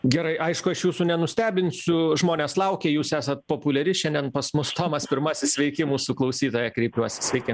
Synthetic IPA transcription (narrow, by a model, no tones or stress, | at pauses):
ɡʲɛɾɐɪʔɐɪʃkʊɐʃjuːsʊnʲɛnʊsʲt̪ʲæːbʲɪnʲsʲʊʒmoːnʲeːslˠɐʊkʲeːjuːsæːsɐt̪̚poːpʊlʲɛɾʲɪʃʲɛnʲd̪ʲɛnpɐsmʊst̪oːmɐspʲɪrɾmɑsʲɪsʲsʲʋʲɛɪkʲɪmuːsʊklˠɐʊsʲiːt̪oːjɛkɾʲɛɪpʲuɔsʲɪsʲʋʲɛɪkʲɪ